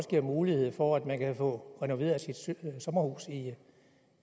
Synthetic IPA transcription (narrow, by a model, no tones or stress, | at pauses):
sɡ̥iɐ̰muːlihe̝ð̰ˠfɒæd̥mænkʰæfɔ̽ʁɛno̝ʋe̝̰ːɐsid̥sɒ̽mɐhuːsi